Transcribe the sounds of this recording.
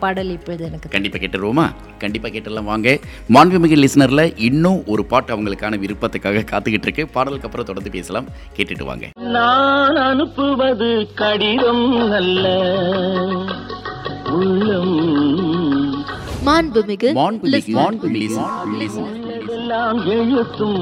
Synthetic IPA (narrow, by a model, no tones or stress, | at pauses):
pɐɽɐlɪpːɔðɯɛnɐkːɯkɐɳɖɪpːaːkeːʈːɯɾɯʋoːma̰ː | kɐɳɖɪpːaːkeːʈːɛlːaːmʋaːŋɡɐ | maːnbɪmɪɣɯlɪsɐnɐɾlɐʔɪnːʊ̃ʔɔɾɯpaːʈːɐʋɐŋɡɐɭɯkːaːnɐʋɪɾɯpːɐt̪ːɐkːaːɣɐkaːt̪ːɯɣɪʈːɾɯkːɯpaːɽɐlɯkːɐpːɯɾɐ̃t̪ɔɽɐnd̪ɯpeːsɐlaːm | keːʈːɪʈːɯ̰ʋa̰ːŋɡɐ̰naːnɐnɯpːɯʋɐðɯkɐɽɪðɐmnɐlːɐ | ʊɭːɐm | maːnbɯmɪɣɯmaːnbɪmlɪmaːnbɪmɪslɪsnɐ | ðɛlːaːmjejɐt̪ːɯm